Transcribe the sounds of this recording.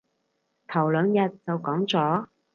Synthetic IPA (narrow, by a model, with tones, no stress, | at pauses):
t̪ʰɐ˨˩wlœː˨˧ŋjɐ˨t̚t͡sɐ˨˧wkɔː˨˥ŋt͡sɔː˨˥